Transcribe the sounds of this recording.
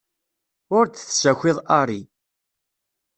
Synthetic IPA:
ʊɾt͡sθsæçʷɪðˤɑɾˤi

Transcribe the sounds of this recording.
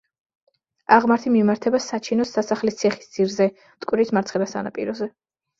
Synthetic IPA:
aʁmaɾt̪ʰimimaɾt̪ʰɛbasat͡ʃʰinɔsːasaχlist̪sʰɛχi̥sd̪z̥iɾzɛ | t̪ʼkʼwɾismaɾt̪sʰχɛbasa̰na̰pʼḭɾɔzɛ

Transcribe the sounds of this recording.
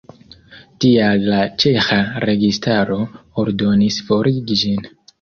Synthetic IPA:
tialːat͡ʃe̞xaɾe̞ɡistaɾo̞oɾdo̞nisfo̞ɾiɡid͡ʒin

